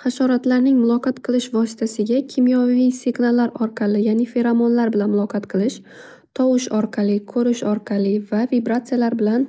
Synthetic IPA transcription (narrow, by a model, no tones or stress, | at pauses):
χɑʃɒɾat̪laɾnɪŋmʊlˠɒqɑt̪qʰɨlˠɪʃvɒsɪ̥t̪ʰasɪɡʲakʲʰɪmjɒiseɡnalaɾɒɾqʰɑlɪjanɪfe̞ɾɒmɒnlaɾbɪlanmʊlˠɒqʰɑt̪qʰɨlˠɪʃ | t̪ʰɒwɪʃɒɾqʰɑlɪkʰɵɾɪʃɒɾqʰɑlɪvavibɾat̪sɨjalaɾbɪlan